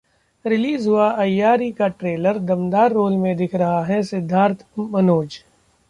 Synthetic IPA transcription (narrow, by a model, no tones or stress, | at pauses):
ɾɪliːzɦʊaʔɐjːaːɾikaʈɾeːləɾd̪ɐmd̪aːɾːoːlmẽd̪ɪkʰɾɐɦaɦɛsɪd̪ʱːaːɾt̪ʰmɐnoːd͡ʒ